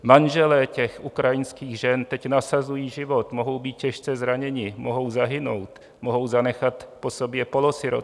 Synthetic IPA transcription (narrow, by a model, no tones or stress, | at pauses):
manʒɛlɛːcɛxʔukɾajɪnskiːɣʒɛnt̪ɛcnasazujiːʒɪvo̞t̪moɦo̞wbiːt̪̚cɛʃt͡sɛzɾaɲɛɲɪmoɦo̞wzaɦɪnowt̪ | moɦo̞wzanɛxat̪posobjɛpolosɪɾo̰